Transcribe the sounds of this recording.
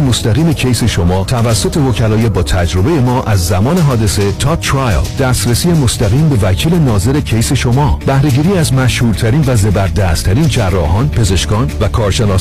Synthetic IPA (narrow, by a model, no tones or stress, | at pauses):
most̪æɣiːme̞cʰejse̞ʃo̞mɒːt̪ʰævæsːo̞t̪ʰe̞vo̞cʰælɒːjebɒːt̪ʰæd͡ʒɾo̞be̞je̞mɒːʔæzːæmɒːne̞ɦɒːd̪e̞se̞t̪ʰɒːt̪ʰɾɒj̰ld̪̥æst̪ɾesiːjemost̪æɣiːmbe̞væcʰiːle̞nɒːze̞ɾecʰejse̞ʃomɒːb̥æhɾe̞ɟiːɾiːæzmæʃhuːɾt̪ʰæɾiːnvæze̞bæɾd̪æːst̪ʰæɾiːnd͡ʒærːɒːhɒːnpʰe̞ze̞ʃkɒːnvækʰɒːɾʃe̞nɒː